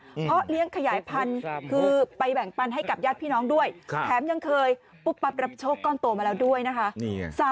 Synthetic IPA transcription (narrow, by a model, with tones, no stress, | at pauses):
pʰɾɔ˦˥li˦˥əŋkʰa˧jaː˩˦jpʰa˧nkʰɯː˧pa˧jbɛ˨˩ŋpa˧nɦa˥˩jka˨˩p̚jaː˥˩t̪̚pʰiː˥˩nɔː˦˥ŋdu˥˩əjʰt̪ʰɛː˩˦mja˧ŋkʰɤː˧j | pu˦˥˩k̚pa˧˥p̚ɾa˧˩p̚t͡ɕʰoː˥˩kːɔː˥˩nt̪o˧maː˧lɛː˧˥wdu˥˩əjna˦˥kʰa˦˥ʔsaː˩˦